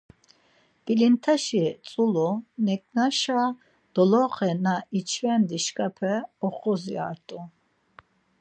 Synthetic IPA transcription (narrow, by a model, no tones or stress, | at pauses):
kʼilint̪ʰaʃit͡sʼulunɛkʼnaʃa | d̪̥ɔlɔχɛnait͡ʃʰvɛnd̪iʃkʼapʰɛɔχɔzia̰ɾt̪ʼu